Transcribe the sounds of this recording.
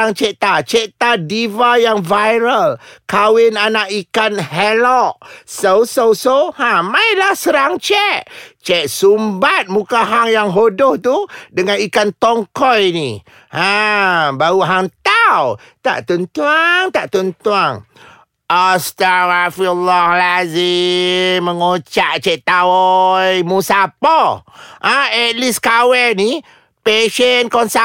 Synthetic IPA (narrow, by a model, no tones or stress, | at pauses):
aŋt͡ʃeʔt̪at͡ʃeʔt̪adivajaŋvajɾəlkawɪnanaʔikanɦɛlɔʔsəwsəwsowhãmailahsəɾaŋt͡ʃɛʔt͡ʃɛʔsumbat̪̚mukaɦaŋjaŋɦodʊht̪udəŋanikant̪ɔŋkɔjni | habaɾuɦaŋt̪aw | t̪a̰ʔt̪ənt̪uaŋt̪aʔt̪ɔnt̪uaŋ | ʔast̪arafilːahlazi | məŋot͡ʃaʔt͡ʃɛʔt̪aɔjmusapɔʔaɛt̪̚liskawɛni | peʃɛnkɔnsa